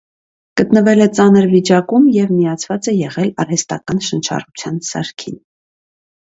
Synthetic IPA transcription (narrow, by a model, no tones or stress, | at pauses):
ɡ̥ət̪nəvɛlɛt͡sɑnəɾvit͡ʃɑkumjɛvmijɑt͡sʰvɑt͡sɛjɛʁɛlɑrɛst̪ɑ̰kɑnʃənt͡ʃʰɑ̰rut͡sʰjɑnsɑ̰ɾkʰin